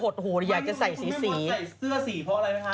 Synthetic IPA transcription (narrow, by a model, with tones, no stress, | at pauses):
o˨˩t̪̚huː˨˩˦ɾjaː˨˩k̚t͡ɕa˨˩sa˨˩jsiː˨˦˥siː˧˩˦a˨˩jsɯ˥˩ɐsiː˨˦pʰɔ˦˧ɾa˧ja˧˥a˧